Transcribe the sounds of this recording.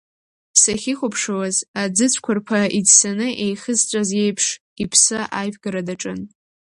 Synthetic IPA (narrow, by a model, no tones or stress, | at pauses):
saχʲiχʷʊpʰʂawazad͡zɨt͡sʷʰkʷʰʊrpʷʰaʔidsanɨʔejχəzt͡sʷʼazje̞jpʰʂ | ipʰsɨʔajvɡaɾadaʈ͡ʂʼɨn